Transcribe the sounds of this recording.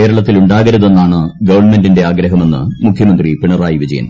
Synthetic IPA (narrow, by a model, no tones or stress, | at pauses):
ke̞ːɾɐɭɐt̪ːiluɳɖaːɣɐɾɐðe̞nːaːɳɨɡɐʋɐrnme̞ndinde̞aːɡɾɐɦɐme̞nːɨ̰mukʰjɐmɐnd̪ripiɳɐraːjiʋid͡ʑɐ̰jɐ̰n